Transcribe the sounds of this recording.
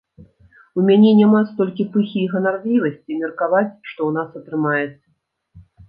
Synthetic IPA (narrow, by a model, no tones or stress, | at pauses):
umʲanʲɛnʲamast̪ɔlʲkʲipɨxʲijɣɐnarvʲlʲivɐsʲt͡sʲimʲɛrkavat͡sʲʂt̪ɔwnasɐt̪ɾɨmajɛt̪sːɐ